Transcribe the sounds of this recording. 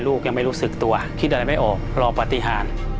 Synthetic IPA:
luː˥˩k̚ja˧ŋma˥˩jɾuː˦˥sɯ˨˩k̚t̪u˧ɐk̪̚ʰːa˧ɾa˧jma˥˩jʔɔː˨˩k̚ɾɔː˧pa˧t̪i˧˩ɦaː˨˩˦n

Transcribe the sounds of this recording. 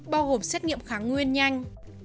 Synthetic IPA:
ɓaː˧wɣo˨˩msɛ˦˥t̚ŋḭ˧˨əmxaː˨˦ŋwi˧ənɲa˧jŋ̟

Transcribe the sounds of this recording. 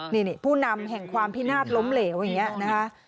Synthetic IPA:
ni˧˩ni˨˩pʰuː˥˩na˧mɦɛ˨˩ŋkʰwaː˧mpʰiː˦˥˩naː˥˩t̪̚lo˦˥mleː˩˦wjaː˨˩ŋːi˦˥ɐna˦˥kʰa˦˥ʔ

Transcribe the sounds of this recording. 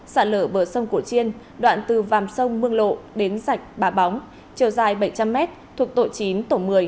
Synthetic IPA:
sa̰ː˧˩ləː˧˩ɓəː˧˩sə˧wŋ͡mku˧˩t͡ɕi˧ən | ɗwa̰ː˧˨nt̪ɨ˨˩vaː˨˩msə˧wŋ͡mmɨ˧əŋlo̰˧˨ɗe˨˦nza˨˩jk̟̚ɓaː˨˦ɓɔ˨˦wŋ͡m | t͡ɕi˨˧˩əwzaː˨˩jɓə˧˩jt͡ɕa˧mːɛ˦˥t̚t̪ʰu˨˩ək̚t̪o̰˧˨jt͡ɕi˨˦nt̪o˧˩mɨ˨˩əj

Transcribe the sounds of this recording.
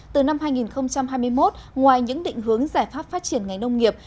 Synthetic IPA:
t̪ɨ˨˩na˧mɦaː˧jŋi˨˩nxə˧wŋ͡mt͡ɕa˧mɦaː˧jmɨ˧əjmo˦˥t̚ŋwaː˨˩jɲɨ̰˧˥ŋɗḭ̈˧˨ŋ̟ɦɨ˨˩˦əŋzaː˧˩jfaː˦˥p̚faː˦˥t̚t͡ɕi˧˩ənŋa˨˩jŋ̟nə˧wŋ͡mŋi˨˩əp̚

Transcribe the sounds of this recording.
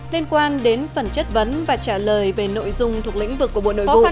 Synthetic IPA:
li˧ənkwaː˧nɗe˨˦nfə˨˩nt͡ɕə˦˥t̚və˨˦nvaː˨˩t͡ɕaː˧˩ləː˨˩jve˨˩no̰˧˨jzʊ˧ŋ͡mt̪ʰu˨˩ək̚lḭ˧˥ŋ̟vɨ˨˩kːu˧˩əɓo̰˧˨no̰˧˨˧ṵ˧˨

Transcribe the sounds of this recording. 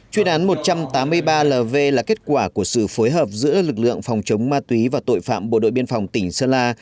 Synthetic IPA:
t͡ɕwi˧ənʔaː˨˦nmo˨˩t̚t͡ɕa˧mt̪aː˨˦mːɨ˧əjɓaː˧ləː˨˩ve˧laː˨˩ke˦˥t̚kwaː˧˩ku˧˩əsɨ̰˧˨foː˨˦jɦəː˨˩p̚zɨ̰˧˥əlɨ˨˩k̚lɨ̰˧˨əŋfa˨˩wŋ͡mt͡ɕə˨˦wŋ͡mmaː˧t̪wi˨˦vaː˨˩t̪o̰˧˨jfa̰ː˧˨mɓo̰˧˨ɗo̰˧˨jɓi˧ənfa˨˩wŋ͡mt̪ï˧˩ŋ̟səː˧laː˧

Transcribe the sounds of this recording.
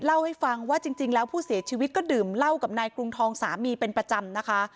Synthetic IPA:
la˥˩wha˥˩jfa˧ŋwaː˥˩t͡ɕi˧ŋt͡ɕi˧ŋlɛː˦˥wpʰuː˥˩si˩˦ɐt͡ɕʰiː˧wi˦t̪̚kɔː˥˩dɯː˨˩mla˥˩wka˨˩p̚naː˧jkɾu˧ŋt̪ʰɔː˧ŋsa̰ː˩˦miː˧pe˧npɾa˧t͡ɕa˧mna˦˥kʰa˦˥

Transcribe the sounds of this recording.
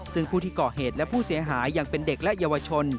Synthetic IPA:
sɯ˥˩ŋpʰuː˥˩t̪ʰiː˥˩kɔː˨˩heː˨˩t̪̚lɛ˦˥pʰuː˥˩si˩˦ɐɦaː˩˦jːaː˨˩ŋpe˧nde˨˩k̚lɛ˦˥ʔjaː˧wa˧t͡ɕʰo˧n

